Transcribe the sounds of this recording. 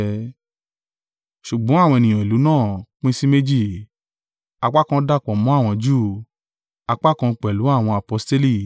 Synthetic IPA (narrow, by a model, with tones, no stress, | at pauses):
ʃu˨ɡ͡bɔ̃˨˦a˦˨wɔ̃˧e˨nĩ˨ã˨i˨lu˨˦nãː˦˨k͡pĩ˦si˦me˦d͡ʒi˦˨ | a˧k͡pa˦kã˧˦da˦˨k͡pɔ˨mɔ̃˨˦a˦˨w̃ɔ̃˧d͡ʒuː˦˨ | a˧k͡pa˦kã˧k͡pɛ˨lu˨˦a˦˨w̃ɔ̃˧a˨pɔ˧ste˦li˦